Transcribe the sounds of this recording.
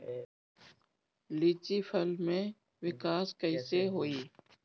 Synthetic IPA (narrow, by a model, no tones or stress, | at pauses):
lit͡ʃifʰəlmẽ | ʋɪkaːskəɪseɦoːiː